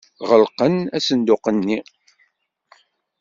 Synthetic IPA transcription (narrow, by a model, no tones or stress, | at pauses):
ʁəlqənæsənd̪ʊqənːi